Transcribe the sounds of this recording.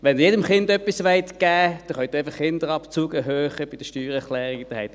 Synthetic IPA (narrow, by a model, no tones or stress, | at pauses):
ʋɛndjeːdəmχɪndœpːisʋɛɪtɡ̥æːd̥ɛχœt̪ːaɪfəχːɪndəʁɑpt͡suːɡəɦøːχəb̥ɪd̥əʃtyːʁɛχlɛːʁiɡd̥əhɛɪt